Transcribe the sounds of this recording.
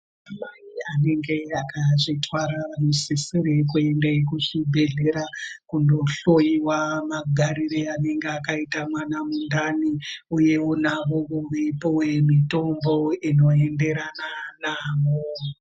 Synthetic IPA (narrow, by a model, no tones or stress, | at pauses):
amaiane̞ŋɡe̞akaʐitwaɾamusisiɾek̬ue̞ndekuʐibʱe̞ɮe̞ɾakundoɬo̞jiwamaɡʱaɾiɾeane̞ŋɡeakaitamwanamundaniuje̞wonaʋoʋoʋeipowe̞mito̞mbo̞ino̞e̞nde̞ɾananaːwo